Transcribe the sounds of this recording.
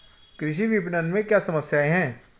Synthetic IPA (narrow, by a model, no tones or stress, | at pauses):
kɾɪʃ̬iʋipnənmẽkjasɐməsjaeɦɛ̃ː